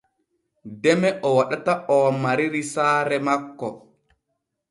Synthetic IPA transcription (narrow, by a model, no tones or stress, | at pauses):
dɛmɛʔɔwaɗataɔmaɾiɾisaːɾɛmakːɔ